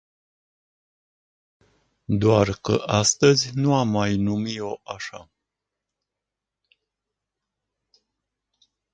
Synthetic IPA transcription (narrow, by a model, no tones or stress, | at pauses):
d̪oarkə̰ʔast̪əzʲnuamːajnumio̞ʔaʃa̰